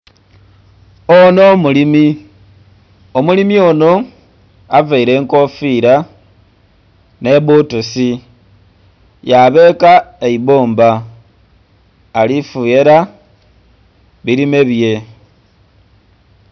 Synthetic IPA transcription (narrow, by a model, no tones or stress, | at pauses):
ono̞mulimi | omulimio̞no̞ | avaiɾe̞ːŋko̞fiɾa | ne̞βutusi | jaβe̞kaeiβoːmba | lifuje̞ɾa | βiɾime̞βje̞